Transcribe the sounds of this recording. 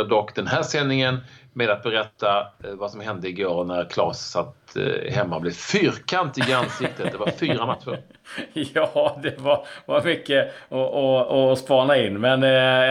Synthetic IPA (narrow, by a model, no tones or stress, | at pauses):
d̪ɔkːd̪ɛnɦæːʂɛnːɪŋənmeːd̪at̪̚bɛɾɛt̪ʰːavasɔmhɛnd̪əɪɡoːɾnæɾkʰlɑ̰ːssat̪ːhɛmːablɪvfyːɾkʰant̪ɪɡansɪk̚t̪ət̪̚d̪ɛvaɾfyːɾamat̪ɧʊɾ | jɑːd̪ɛvaɾvaɾmʏkːəɔɔɔspɑːɳaɪnːmɛn